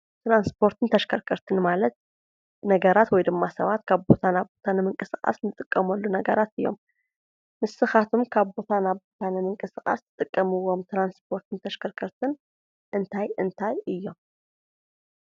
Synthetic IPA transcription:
t̪ɾanspʰo̞ɾt̪ʰɨnt̪ʰɐʃkʰɐɾkʰɐɾt̪ʰɨnmalɐt̪̚ | nɐɡɐɾat̪wɔjd̪ɨmːasɐβat̪kʰaβbo̞t̪ʰanaβbo̞t̪ʰanɨmɨŋkʼɨsɨχʼa̰snɨt̪ʼɨkʼːɐmɐlːunɐɡɐɾat̪ɨjːo̞̰m | mɨsɨxat̪ʰumkʰaβbo̞t̪ʰanaβbot̪ʰanɨmɨŋkʼɨsɨχʼa̰st̪ʰɨt̪ʼɨkʼːɐmɨwːo̞mt̪ʰɾansp̚ʰo̞ɾt̪ʰɨnt̪ʰɐʃkʰɐɾkʰɐɾt̪ʰɨn | ʔɨnt̪ʰajɨnt̪ʰajɨjːo̞m

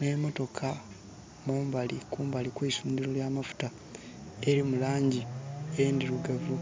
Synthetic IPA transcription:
nemo̞to̞kʰa | muːmbalikuːmbalikwiːsuːɲdiɾoljaːmafu̥ta | e̞ɾimulaːɲɟiendiɾuɡavu

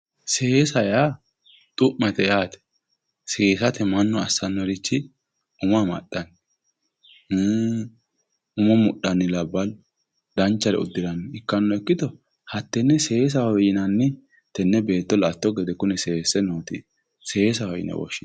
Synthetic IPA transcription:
seːsɐja | t̪ʼʊʔmɐt̪ɛjaːt̪ɛ̥ | seːsɐt̪ɛmɐnːɔɐsɐnːɔɾɪt͡ʃːɪ | ʊmɐmɐ̰ɗɐn | ʊmɔmʊɗːɐnːɪlɐbːɐl | d̪̥ɐnt͡ʃːɐɾɛ̰ʊ̰d̪ːɪɾɐnːɪɪkːɐnːɔɛkːɪt̪ɔ | hɐt̪ːɛnːɛseːs̬ɐhɔjɪnɐnːɪ | t̪ɛnːɛbe̞ːt̪ːɔlat̪ːɔɡɛd̪ɛkʊnɛseːsːɛnoːt̪i | seːsɐhɔjɪ̰nɛ̰wɔ̰ʃːɪn

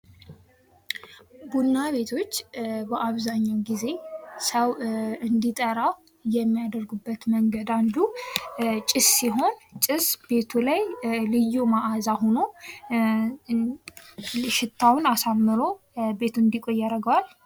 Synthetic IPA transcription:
bunːaβe̞t̪ʰo̞t͡ʃːbəʔaβzaɲːawɡize̞səwɨnd̪it̪ʼəɾaw | jɛmːijad̪əɾɡubːət̪məŋɡəd̪and̪u | t͡ʃʼɪsːiɦo̞nt͡ʃʼɪsbe̞t̪ʰulajlɨjːumaʔazaɦono̞ | ʃɪt̪ʰːawnasamːɨɾo̞ | be̞t̪ʰuɨnd̪ikʼojːaɾəɡwal

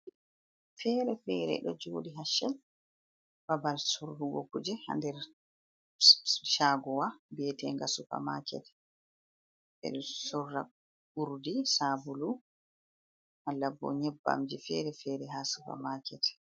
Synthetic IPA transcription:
fɛːɾɛfɛːɾɛ̰ɗɔd͡ʒoːɗiɦaʃɛl | babalsuɾhuɡo̰kːud͡ʒɛha̰ndɛɾ | ʃaːɡɔwabɛːtɛŋɡasufa̰ma̰kɛ̰tɛ̥ | ʔɛ̰ɗɔsɔrːa̰ | uɾdisaːbulu | ʔalːabɔ̰ɲɛbːa̰md͡ʒifɛɾɛfɛːɾɛɦaːsupa̰maːkɛtɛ̥

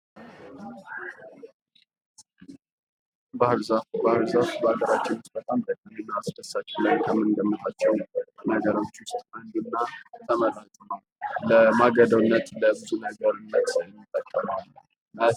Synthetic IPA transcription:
bahɾzabahɨɾzaβbəaɡəɾat͡ʃːɪnwʊst̪̚bət̪ʼamd̪ək̪ʼːəmɨnːaːsd̪əsːat͡ʃːɪləjkʰəmɨnd̪əmːət̪ʰʼat͡ʃːɛwnəɡəɾo̞t͡ʃːwʊst̪ʼmənd̪ɨnːat̪ʰəməlaht̪ʼunəw | ləmaɡəd̪əwɨnːət̪ləbɨzunəɡəɾɨnːət̪ɛmːit̪ʼːət̪ʼːəmal | ə

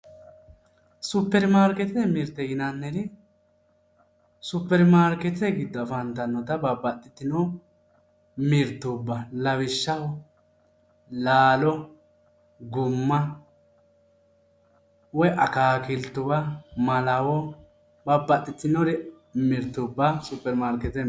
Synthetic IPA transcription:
sʊpːɛɾmaːɾkɛt̪ɪɛmɪɾt̪ːɛjɪnɐnːɛɾɪ | sʊpːɛɾmaːɾkɛt̪ɪɛɡɪd̪ːɔɐfɐnt̪ɐnːɔt̪ɐbɐbɐt̪ʼːɪt̪ːɪnɔ | mɪɾt̪ːubːɐlɐwɪʃːɐwɔ | laːlɔ | ɡʊmːɐ | wɔjʔɐkaːkɪlt̪ːʊbɐmɐlɐwɔ | bɐbːɐt̪ʼːɪt̪ːɪnɔɾɛ | mɪɾt̪ːʊbːɐsʊpːɛɾmaːɾkɛt̪ɛ

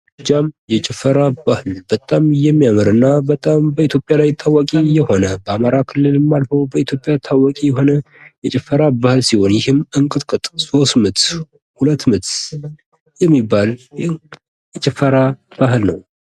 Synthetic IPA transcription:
d͡ʒamjɛt͡ʃʼɪfəɾabahɨlbət̪ʼamjɛmːijamɨɾɨnːabət̪ʼambəit̪ʰjo̞pʼjalajt̪ʰawakʼijɛho̞nəbəamaɾakʰɨlːɨlmːalfəwbəit̪ʰjo̞pʼjat̪ʰawakʼijɛɦo̞nə | jɛt͡ʃʼɪfːəɾabahɨlsiho̞njɪhɨmːɨŋkʼɨt̪ʼkʼɨt̪ʼso̞st̪mɨt̪ | hulət̪ːmɨt̪ | jɛmːibːalj | jɛt͡ʃʼɪfəɾab̥ahɨlnəw

